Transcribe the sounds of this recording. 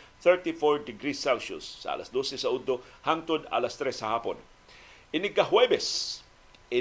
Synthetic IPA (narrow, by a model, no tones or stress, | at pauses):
θɛɹt̪ifoɹd̪ɪɡɾisːalʃʊ̰sːɐ̰ʔɐ̰lɐ̰sd̪osɛsɐʔʊd̪ohaŋt̪od̪a̰lɐst̪ɾɛsɐhaːpo̰n | ʔɪnɪɡɐɦwɛbɛs | ʔɪ